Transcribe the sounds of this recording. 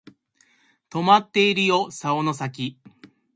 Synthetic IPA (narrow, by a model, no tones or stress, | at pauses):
t̪o̞mat̪ːe̞iɾɯ̟jo̞saono̞sak̬ʲi